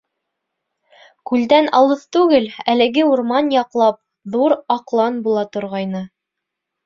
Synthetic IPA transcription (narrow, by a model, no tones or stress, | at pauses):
kʉld̪ænɑ̰lˠɤθt̪ʉɡɘlælɘ̆ɡɘuɾmɑnjɑqlˠɑp̚ | ðuɾɑqlˠɑnbulˠɑt̪ŏɾʁɑjnɤ